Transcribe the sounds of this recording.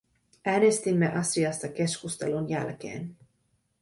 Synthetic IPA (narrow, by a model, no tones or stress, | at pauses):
ɛːnest̪imːɛʔɑsiɑst̪ɒkɛʃkust̪ɑlonjæ̰lkḛːn